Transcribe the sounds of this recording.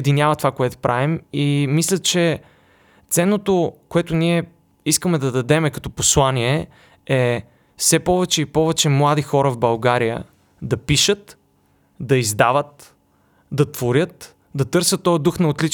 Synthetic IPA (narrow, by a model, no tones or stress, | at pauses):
d̪inʲjavət̪ovakoɛt̪o̥pɾʔavimimislʲət͡ʃɛ | t̪sɛnːot̪okoɛt̪ʊniɛ | iskəmɛd̪ɐd̪ɐd̪ɛmɛkɐ̥t̪ɔposlˠaniɛ | ɛ | fsɛpɔvɛt͡ʃɛipɔvɛt͡ʃɛmlˠad̪ixɔɾəvbɐlˠɡaɾijə̰ | d̪ɐpiʃət̪ | d̪ɐizd̪avət̪ | d̪ɐt̪v̥oɾʲət̪ | d̪ɐt̪ɤɾsət̪ːɔjd̪uxnɐot̪lit͡ʃ